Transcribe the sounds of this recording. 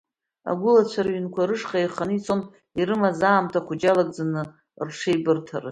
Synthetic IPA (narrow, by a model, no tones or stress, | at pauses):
a̰ɡʷʊlat͡ɕʷʰaɾaɥynkʷʰaɾɨʂχʼajχanɨit͡sʼon | irɨmazaːmtʰaχʷʊd͡ʒalakʼd͡zanɨ | rʂʰejbɨrtʰarɨ̰